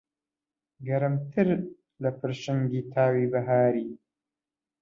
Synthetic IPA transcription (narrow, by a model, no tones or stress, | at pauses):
ɡɐɾɨmt̪ʰɨɾ | lɐpʰɨɾʃɨmɡiːt̪ʰaːwiːbɐɦaːɾiː